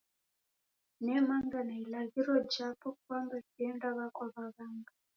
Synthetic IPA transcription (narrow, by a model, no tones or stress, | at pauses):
nɛmaŋɡanailaɣiɾɔd͡ʒapɔk̚wambɛsiɛndaβakwaβaβaŋɡa